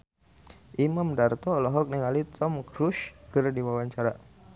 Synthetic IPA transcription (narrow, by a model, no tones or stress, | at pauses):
ʔimamdart̪ɔːlɔɦɔk̚niŋalit̪ʰɔmkɾuʃkɨrdiwawaɲt͡ʃaɾa